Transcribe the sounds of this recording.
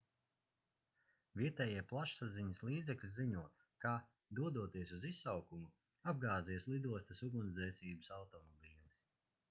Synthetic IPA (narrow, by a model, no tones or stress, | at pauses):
viɛt̪ɛːjiɛplˠaʃsaziɲasliːd̪zɛklʲiziɲuɔt̪ | kaː | d̪uɔd̪uɔt̪iɛsuzisːawkumu | ab̚ɡaːzislˠid̪uɔst̪ɐsuɡunzɛjsʲiːbɨsawt̪ɔmɔbʲiːlˠis